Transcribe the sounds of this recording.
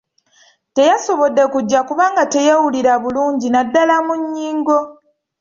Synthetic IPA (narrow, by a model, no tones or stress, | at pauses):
te̞jaso̞βo̞dːe̞kuɟːakuβaːŋɡate̞jawuliɾaβuluːɲɟinadːalamuɲːiːŋɡo̞